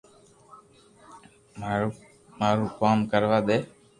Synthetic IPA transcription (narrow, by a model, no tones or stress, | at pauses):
m | maːɾuːkaːmkəɾʋaːd̪eː